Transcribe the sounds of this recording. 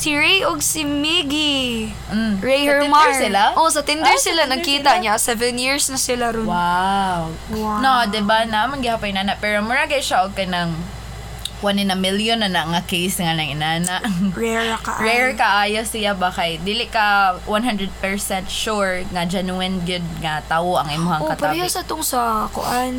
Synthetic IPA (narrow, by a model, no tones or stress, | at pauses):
sɪɹejʔoɡsɪmiɡi | m̩ɹejhɛɹmasɪlaʔosɐt̪ɪndd̪ɛɹsɪlanɐɡkiːt̪ɐʔɲasɛvɛnjiɹsnɐsɪlaɾʊwaw | noʔd̪ɛbanamɐnɡɪhapɐjɪnaːnɐʔpɛːɾomʊɹaɡɐjʃaʔoɡ̚kɐnɐŋ | kwanɪnɐmɪljonɐnɐɐŋakejsŋanɐŋʔɪnaːnɐʔɹɛɹkɐʔɹɛɹkɐʔaːjosɪlabakɐjd̪iːlɪʔkɐwʔanɦand̪ɾɛd̪̚pɛɹsɛnt̪̚ʃuɹŋɐd͡ʒɛnuɛnɡɪd̪̚ŋɐt̪awoʔɐŋʔɪmʊhaokːɐt̪pɐɾajʊsɐt̪oŋsɐko̰ʔan